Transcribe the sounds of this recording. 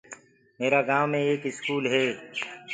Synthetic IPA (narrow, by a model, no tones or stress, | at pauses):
meːɾaɡaːʋmẽeːkɪskuːlɦɛː